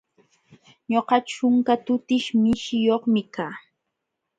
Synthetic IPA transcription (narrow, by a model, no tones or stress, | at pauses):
ɲoqɑt͡ʃʊŋkat̪ʊt̪ɪʃmɪʃɪjoχmɪkaː